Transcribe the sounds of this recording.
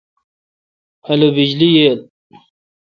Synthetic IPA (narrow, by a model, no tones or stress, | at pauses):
ɐlobid͡ʑlijeːl